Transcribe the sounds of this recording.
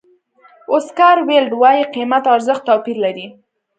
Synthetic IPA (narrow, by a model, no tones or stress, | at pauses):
oskaɾwelɖwɑjiqimat̪ɑɾzəxt̪ːɑpiɾlaɾi